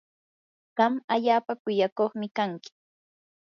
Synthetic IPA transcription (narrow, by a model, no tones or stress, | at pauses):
ɢ̥ɑmaʎaːpakʊjakoχmɪkaŋkɪ̥